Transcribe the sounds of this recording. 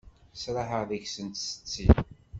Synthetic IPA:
sɾˤaħəʁðəçsənt̪sə̥t͡sːi

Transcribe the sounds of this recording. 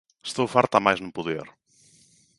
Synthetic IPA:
st̪owfaɾt̪amajznupuðḛɾ

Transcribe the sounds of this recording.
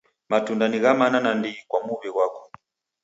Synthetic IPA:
matundaniɣamananandikwamuβiɣwakɔ̥

